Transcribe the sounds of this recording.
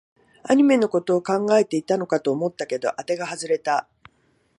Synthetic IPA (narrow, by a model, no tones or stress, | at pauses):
a̰ɲ̟ime̞no̞ko̞t̪o̞ːkãŋɡae̞t̪e̞it̪ano̞kat̪oːmo̞t̪ːake̞d̪o̞ʔat̪e̞ɡaɦazɨɾe̞t̪a